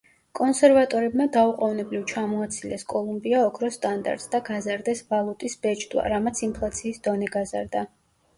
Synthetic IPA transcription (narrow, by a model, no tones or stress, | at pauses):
kʼɔnsɛɾvat̪ʼɔɾɛbmad̪auqʼɔvnɛblivt͡ʃʰamɔat̪sʰilɛskʼɔlˠumbiaɔkʰɾɔst̪ʼand̪a̰ɾt̪sd̪aɡazaɾd̪ɛsvalˠut̪ʼisb̥ɛd͡ʒd̪wa̰ɾamat̪sʰimpʰlˠat̪sʰiːsd̪ɔnɛɡaza̰ɾd̪a